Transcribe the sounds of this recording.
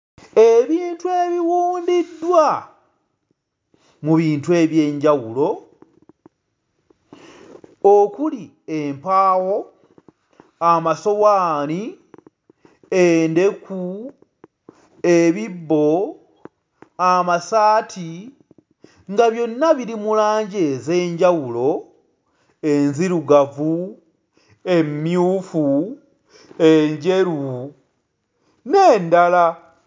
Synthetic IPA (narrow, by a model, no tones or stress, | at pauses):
e̞βiːntue̞βiwuːndidːwa | muβiːntue̞βje̞ːɲɟawulo̞ | okuli | empaːwo̞ | amaso̞waːni | ende̞ku | eβibːo̞ | amasaːtʰi | ŋɡaβjo̞nːaβiɾimulaːɲɟe̞ze̞ːɲɟawulo̞ | enziɾuɡavu | e̞mːjuːfu | eɲɟe̞ɾu | ne̞ːndala